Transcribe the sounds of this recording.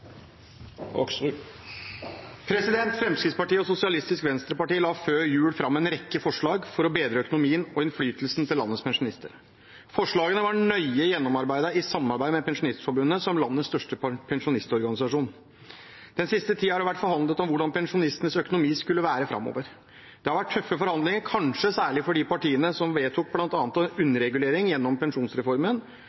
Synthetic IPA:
pʰɾɛsɪd̪ɛnt̪fɾɛmskɾɪt̪spɑʈiːəɔsʊsɪɑlɪst̪ɪskʋɛnst̪ɾəpɑʈiːlɑːføːɾjʉːlfɾɑmːɛnɾɛkːəfɔʂɭɑːɡfɔɾɔbeːd̪ɾəœkʊnʊmiːənɔɪnflyːt̪əlsn̩t̪ʰɪlːɑ̰nːəspʰɛnʂʊnɪst̪ə̰ɾ | fɔʂɭɑːɡənəʋɑɳœʏəjɛnːɔmɑɾbæɪd̪əɪsɑmɑɾbæɪmɛpʰɛnʂʊnɪst̪fɔɾbʉnːəsɔmlɑnːət̪st̪œʂʈəpʰɛnʂʊnɪst̪ɔɾɡɑnɪsɑʂuːn | d̪̥ɛnsɪst̪ət̪ʰiːhɑɖɛʋæʈːfɔɾhɑnd̪lət̪ɔmʋʊɖɑnpɛnʂʊnɪst̪ənəsœkʊnʊmiːskʉlːəʋæːɾəfɾʔɑ̰mːo̰ːʋəɾ | d̪̥ɛhɑɾʋæʈ̚ʰːœfːəfɔɾhɑnd̪lɪŋəɾkʰɑnʂəsæːɭɪfɔɖɪpɑʈiːənəsɔmʋeːt̪ʰuːk̚blɑnt̪ɑːnət̪ɑʉnːəɾɛɡʉleːɾɪŋjɛnːɔmpʰɛnʂuːnsɾɛfɔɾmən

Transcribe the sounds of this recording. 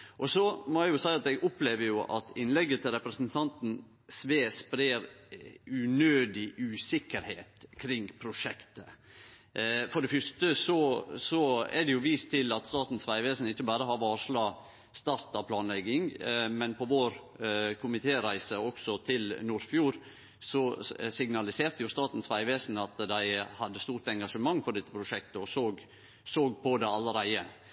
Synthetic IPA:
ʔɔsɔmɔæjʊsæɪɑt̪ɛɡʊpleːʋəɾjʊʔɑ̰t̪ɪnlɛɡːət̪ʰɪlɾɛpɾəsnt̪ʰɑnt̪n̩ | sʋeːspɾeːɾ | ʉnøːd̪ɪʔʉːsɪkːəɾheːt̪kʰɾɪŋpʰɾʊʂɛkt̪ə | fɔɖɛfʏʂt̪əsɔsɔɛ̰ɖɛjʊʋiːst̪ʰɪlɑt̪st̪ɑːt̪n̩sʋæɪʋeːsn̩ɪçːəbɑːɾəɦɑɾʋɑːʂɭɑː | st̪ɑɾt̪ɑpʰlɑːnlɛɡːɪŋmɛnpʰɔʋoːɾ | kʰʊmɪt̪ʰeːɾæɪsəɔksɔt̪ʰɪlnuːɾfjuːɾ | sɔsɪɡnɑlɪseːɾt̪əjʊst̪ɑːt̪n̩sʋæɪʋeːsnɑt̪d̪æɪhɑd̪ːəst̪uːɾt̪ɛŋɡɑʂəmɑŋːfɔɾɖɛt̪ːəpʰɾʊʂɛk̚t̪əɔsoːɡ | soːɡ̚pʰɔd̪ɛɑlːəɾæɪə

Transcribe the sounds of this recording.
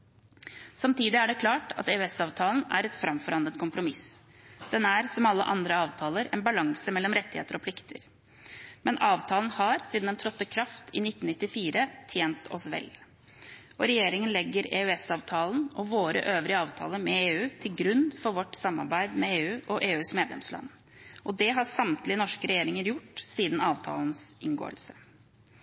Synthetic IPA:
sɑmt̪ʰiːd̪ɪæɖɛkʰlɑːʈɑ̰t̪eːʉɛsɑːʋt̪ʰɑːln̩æ̰ɾɛt̪fɾɑmfɔɾɑnənt̪kʰʊmpɾʊmɪs | d̪̥ɛnæɾsɔmɑlːə̰ʔɑnd̪ɾəɑːʋt̪ʰɑːləɾɛ̰nbɑlɑŋsəmɛlːɔmɾɛt̪ːɪeːt̪əɾɔpʰlɪkt̪ʰə̰ɾ | mɛnʔɑːʋt̪ʰɑːln̩hɑɾsiːd̪n̩d̪ɛnt̪ʰɾɔt̪ːəkʰɾɑft̪ʰɪnɪt̪ːn̩nɪt̪ːɪfiːɾət̪ʰjeːnt̪ʰɔsʋɛ̰l | ʔɔɾɛjeːɾɪŋənlɛɡːəɾeːʉɛsɑːʋt̪ʰɑːlnʔɔʋoːɾə̰ʔøːʋɾɪəɑːʋt̪ʰɑ̰ːləmɛeːʉːt̪ʰɪlɡɾʉnfɔɾʋɔʈːsɑmːɑ̰ɾbæɪd̪mɛeːʉːʔɔʔeːʉːsmeːd̪lɛ̰mslɑ̰nː | ʔɔd̪ɛɦɑsɑmt̪lɪnɔʂkəɾɛjeːɾɪŋəɾjʊʈːsiːd̪n̩ɑːʋt̪ʰɑ̰ːlən̩sʔɪnɡo̰ːə̰lsə

